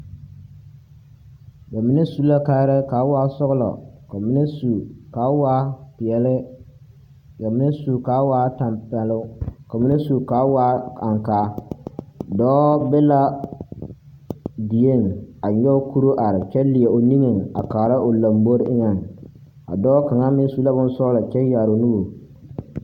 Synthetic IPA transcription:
ɡa˨mɪ˦nɛ˦su˦la˦ka˦ɾɛ˦ka˨˦waː˦sʊ˦ɣʊ˦lɔ̰˨ka˨mɪ˦nɛ˦su˨ka˨˦waː˦pɪ˨ɛ˨lɪ˦ | ɡa˨mɪ˦nɛ˦su˨ka˦waː˦ta˨mpɛ˨lʊ˦ka˨mɪ˦ne˦su˨ka˨˦waː˦a˨ŋkaː˦ | dɔː˦bɛ˦la˦ | di˨e˦˨na˨ɲɛ˦o˦ku˦ɾo˦ʔa˨ɾɪ˨t͡ʃɛ˦lɪ˨e˨o˨ni˦ŋe˨ŋa̰˨kaː˨ɾa˦ʔo˨la˨mbo˦ɾʔɪ˦ŋɛ˨ŋ | a̰˨dɔː˦ka˨ŋa˦mɪ˦n˦su˨˦la˦bʊ˦n˦sʊ˦lɔ˨t͡ʃɛ˦jaː˨ɾo˨nu˦o˨

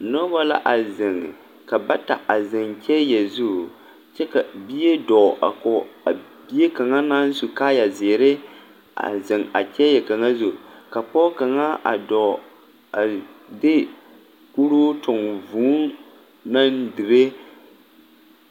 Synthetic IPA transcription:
nɔ˦ba˦la̰˦ʔa˨zɪ˨ŋ˨ | ka˨ba˦ta̰˨ʔa˨zɪ˨ŋt͡ʃɛ˦jɛ˨zu˦˨ | t͡ʃɛ˦ka˨bi˦je˦dɔ˨ʔa̰˨kɔ˨a˨ | bi˦e˦ka˨ŋa˦naː˦n˦su˨kaː˦ja˨zɪː˨ɾɪ˦ | a̰˨zɪ˨ŋa̰˨t͡ʃɛ˦jɛ˨ka˨ŋa˦zʊ˦˨ka˨pɔ˦ka˨ŋa˦˨dɔ˨ | a˨de˦ | ku˦ɾoː˦tʊ˨ŋvuː˦ | na˦ndɪ˨ɾe˦

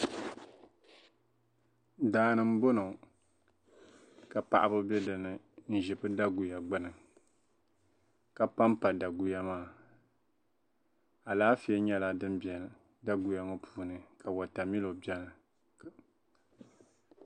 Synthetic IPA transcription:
daː˨˦nɨ˦m̩˦bo˦no˨ | ka˨pa˨ʔa˦bɨ˦bɛ˦dɨ˨nɨ˨ | n̩˦˨ʒɪ˨bɨ˦da˦ɡu˨ja˨ɡ͡bɨ˦nɨ˨ | ka˨pa˦mpa˨da˨ɡu˨ja˦maː˦˨ | a˨laː˦fi˦ɛ˦ɲɛ˦la˦dɨ˦mbɛ˨ | da˦ɡu˨ja˨ŋa˦pʰuː˦nɨ˨ka˨wa˨ta˨mi˦lo˨bjɛ˦nɨ˨

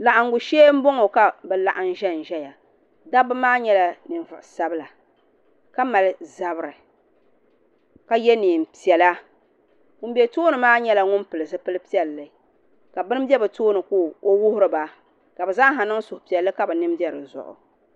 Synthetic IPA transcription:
la˨ʔa˨ŋ˨ɡʊ˨ʃeː˦m̩˦bo˦ŋo˨ka˦bɨ˨la˦˨ʔa˦n̩˦ʒɛ˦n̩˨ʒɛ˦ja˨ | da˦bɨ˦maː˦ɲɛ˦la˦nɨ˨nvʊ˨ʔsa˦bɨ˦la˨ | ka˦ma˨lɨ˦za˨bɨ˦ɾɨ˨ | ka˦jɛ˦niː˨m˨pi˨ɛ˨la˦ | ŋʊ˦m˦bɛ˨toː˦nɨ˨maː˦ɲɛ˦la˦ŋʊ˦npɨ˨lɨ˨zɨ˦pɨ˦lɨ˦pi˦ɛ˨lːɨ˨ | ka˨bɨ˦n˦bjɛ˦bɨ˨toː˦nɨ˨kuː˦o˦wʊ˦hʊ˦ɾɨ˨ba˨ | ka˨bɨ˨za˦ɦa˨nɨ˦ŋ˦sʊ˨hʊ˨pi˨ɛ˨lːɨ˦ka˦bɨ˨nɨ˦m˦bɛ˦ɾɨ˨zʊ̰˨ʔʊ̰˨

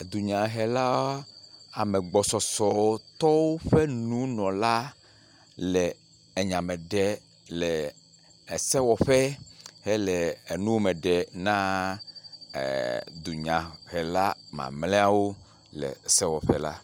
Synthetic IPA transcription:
e˨d̪u˨ɲã˨ɦɛ˨la˦a˨me˨ɡ͡bɔ˨sɔ˨sɔ˨wo˦t̪ɔ˦wo˦ɸe˦nũ˦nɔ̃˨la˦ | lɛː˨ | ɲã˨me˨ɖɛ˨ | lɛ˨ | e˨sɛ˦wɔ˨ɸɛ˦he˦lɛ˨e˨nũ˦wo˦me˨ɖɛ˨nã˦˨ | d̪u˨ɲã˨hɛ˨la˦mã̰˨mlɛ̃˦a˦wo˦ | lɛ̰˨sɛ˦wɔ˨ɸɛ̰˦la̰˦

